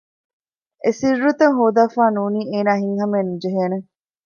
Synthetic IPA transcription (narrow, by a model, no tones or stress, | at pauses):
ʔesirːut̪ɐŋɦoːd̪aːfaːnuːniːeːnaːɦiŋɦɐmeːnud͡ʒeɦeːne